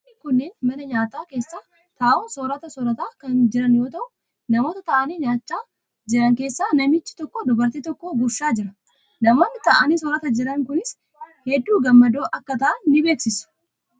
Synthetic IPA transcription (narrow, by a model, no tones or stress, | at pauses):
nːɪkʊnːeːnmɐnɐɲaːt̪aːke̞ːsːaː | t̪aːʔuːnsɔɾɐt̪ɐsɔɾɐt̪aːkɐnd͡ʒɪɾɐnjo̞ːt̪ɐʔʊ | nɐmo̞ːt̪ɐt̪ɐʔɐniːɲaːt͡ʃːaː | d͡ʒɪɾɐŋke̞ːsːaːnɐmɪt͡ʃːɪ̥t̪ɔkːod̪ʊbɐɾt̪iːt̪ɔkːoːbʊʃːaːd͡ʒɪɾɐ | nɐmo̞ːnːɪt̪ɐʔɐniːsɔɾɐt̪ɐd͡ʒɪɾɐŋkʊnɪs | hɛd̪ːuːɡɐmːɐd̪o̞ːʔɐkːɐt̪ɐʔɐnːɪbe̞ːksɪsʊ̥